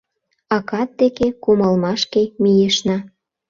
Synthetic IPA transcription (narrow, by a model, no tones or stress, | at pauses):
ɑkɑt̪̚d̪ekekumɑlmɑʃkemijeʃnɑ